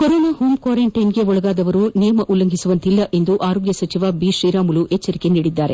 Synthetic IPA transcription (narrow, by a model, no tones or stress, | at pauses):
koɾoːnaːhoːmkwaːɾeɳʈɐjnɡe̞ɔɭɐɡaːd̪ɐʋɐɾunijɐmɐʔulːɐŋɡʱisuʋɐnt̪ilːɐʔe̞nd̪uʔaːɾoːɡjɐsɐt͡ʃiʋɐbiʃɾiːɾaːmuluʔet͡ʃːɐɾikeniːɽid̪ːaːɾe̞